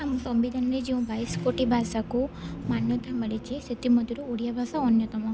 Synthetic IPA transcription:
amt̪ɔmbid̪ʱanɾed͡ʒiũbʱajskoʈibʱasakumanjɔt̪ʰaməɭit͡ʃʰesʰit̪imɔd̪ʱiɾuoɽjabʱasaɔnjɔt̪ɔmã

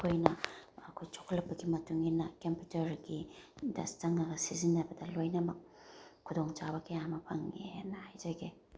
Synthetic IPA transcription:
kʰojnɐɐkʰojt͡ʃʰo̥kʰɐlɐpːɐɡimɐtuŋinɐkemputɐɾɡidɐ̰stɐŋɐɡɐsizinːɐbɐdɐlojnɐmɐk̚ʰːudoŋt͡ʃabɐkejaŋmɐpʰɐŋenɐhajzɐɡe

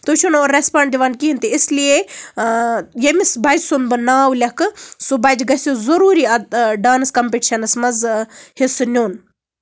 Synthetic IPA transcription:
t̪ut͡ʃʰunoːɾɾespaːɳɖd̪iʋaːnkiɦint̪iislije | jemisbɐd͡ʒsunbɨnaːwlʲɐkɨsubɐd͡ʒɡɐsʲuzɐɾuːɾiɐɖaːnskɐmpeʈiʃɐnɐsmɐzhisɨnʲoːn

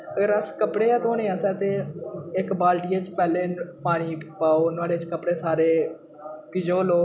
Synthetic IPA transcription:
əɡəɾəskəpɽeːɛːt̪oːnẽːaːsɛːt̪eːɪkbaːlʈiːeːt͡ʃpɛːleːpaːniːpaːoːnʊaːɖeːt͡ʃkəpɽeːsaːɾeː | kɪd͡ʒoːloː

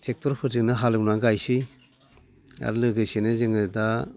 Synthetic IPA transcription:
sʰek̚tʰɔɾpʰɯzɯŋnɯɦalɯwnaɡajsi | a̰ɾlɯɡɯjsenɯzɯŋɯda

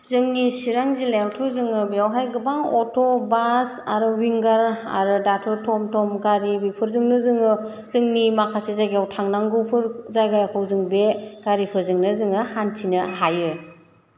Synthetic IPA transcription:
zɯŋnisiɾaŋzilemtʰɔzɯŋɯbeawɦajɡɯbaŋɔtʰɔbasaɾɯwiŋɡaɾa̰ɾɯdatʰɯɾtʰɔmtʰɔmɡaɾiwipʰɯɾzɯŋnɯzɯŋɯ | zɯŋnimakʰasezajɡijawtʰaŋnaŋɡɯwpʰɯɾzajɡajakʰɯwzɯŋbeɡ̥aɾipʰɯɾzɯŋnɯzɯŋɯhantʰinɯɦajɯ

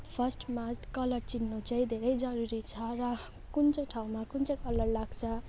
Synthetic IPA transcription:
pʰʌsʈmakʌlʌrt͡sinːot͡sʌj̃d̪ʱeɾʌjd͡zʌɾuɾit͡sʰʌɾʌ | kunt͡sʌjʈʰaw̃makunt͡sʌjkʌlʌrlaɡt͡sʰʌ

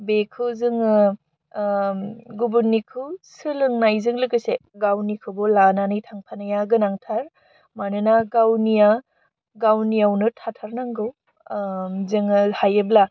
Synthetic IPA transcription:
bekʰɯwzɯŋɯ | ɡubunːikʰɯwsɯlɯŋnajzɯŋlɯkɯseɡawnikʰɯbɔlananɯjtʰaŋpʰanajaɡɯnaŋtʰaɾ | manɯnaɡawnija | ɡawnijawnɯtʰatʰaɾnaŋɡɯw | zɯŋɯhajɯbla

